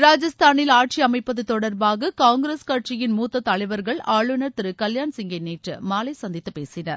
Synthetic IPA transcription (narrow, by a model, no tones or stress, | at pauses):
ɾaːd͡ʒɐst̪aːnɪlaːʈ̚t͡ʃiɐmɐɪpːɐðɯt̪ɔɽɐɾbaːɣɐkaːŋɡɪɾeːskɐʈ̚t͡ʃɪjɪnmuːt̪ːɐt̪ːɐɭɐɪʋɐɾɣɐɭaːɭɯnɐɾt̪ɪɾɯkɐljaːnsɪŋɡɐɪneːʈrɯ̰maːlɐɪsɐnd̪ɪt̪ːɯpḛːsɪnɐ̰ɾ